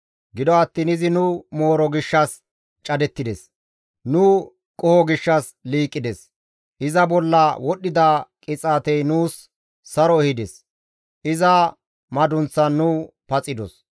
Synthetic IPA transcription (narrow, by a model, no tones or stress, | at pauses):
ɡɪd̪ɔɐt̪ːiːnɪzɪnʊmo̞ːɾɔɡɪʃːɐs | t͡ʃʼɐd̪ɛt̪ːɪd̪ɛs | nʊ | kʼɔhɔɡɪʃːɐs | liːkʼːɪd̪ɛs | ʔɪzɐbɔlːɐwɔɗːɪd̪ɐkʼɪt͡sʼaːt̪ɛjnuːsː | ɐɾɔɛhɪd̪ɛs | ʔɪzɐ | mɐd̪ʊnt͡sːɐnːʊ | pɐt͡sʼɪd̪ɔ̰s